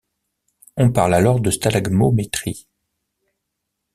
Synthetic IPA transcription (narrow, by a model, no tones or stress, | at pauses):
ɔ̃paʁlalɔʁd̪əst̪alaɡmomet̪χi